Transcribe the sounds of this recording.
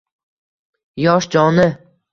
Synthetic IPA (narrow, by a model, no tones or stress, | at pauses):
jɒʃd͡ʒɒnɪ